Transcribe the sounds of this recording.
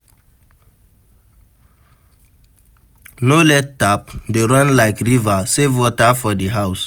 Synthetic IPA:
nolɛt̚tapdeɹãnlaɪkɹivasevwɔtafɔdiɦaʊs

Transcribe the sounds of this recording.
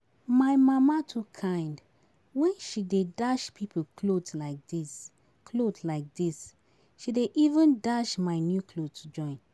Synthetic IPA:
maɪmamatʰukʰãɪ̃nd | wɛ̃nʃidedaʃpʰipʰklodlaɪk̚dis | kʰlodlaɪk̚dis | ʃideʔivə̃ndaʃmaɪnjukʰlodtʰud͡ʒɔ̃ɪ̃n

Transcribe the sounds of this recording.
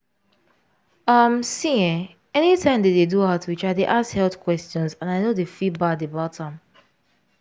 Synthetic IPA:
ʌmsiɛ̃ | ɛnitʰãɪ̃mdededuatwit͡ʃaɪdeʔasthɛltkʰwɛstɔ̃nzãnaɪnodefibadebatʰãm

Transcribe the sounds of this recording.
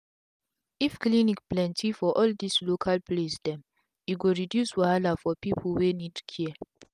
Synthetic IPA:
ifklinikplɛ̃ntʰifɔʔɔldislokʰalplesdɛ̃m | juɡoɹidjuswalafɔpipʰl̩wenidkʰiə

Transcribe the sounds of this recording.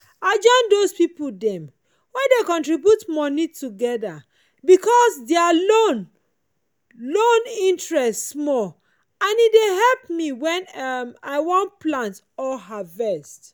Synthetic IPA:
aɪd͡ʒɔ̃ɪ̃ndospipoldɛ̃m | wɛ̃dekɔ̃ntɹibjutmɔnituɡɛda | bikɔsdɛalon | lõnĩntɹɛstsmɔ | ãnideɦɛlpmiwɛ̃nmaɪwɔ̃nplãnt | ɔlɦavɛst

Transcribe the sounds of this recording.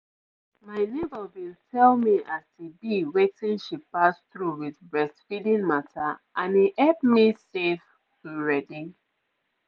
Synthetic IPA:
maɪnebəwiltʰɛlˠmiʔaztibiwetĩnʃipasθɹuwiðbɹɛstfidĩŋmataʔãniʔɛpmisef | tʰuɹɛdĩŋ

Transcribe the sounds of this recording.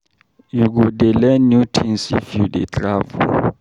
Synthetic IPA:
juk̬udɛlɛnutʰinsḭfudɛ̰t͡ɬʼaːvṵ

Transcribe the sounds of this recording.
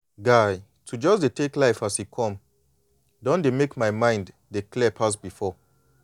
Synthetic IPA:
ɡaɪ | tʰud͡ʒɔsdetʰeklaɪfashikʰɔ̃m | dɔ̃ndemekmaɪmãɪ̃nd | deklɛpʰas̬bifɔ

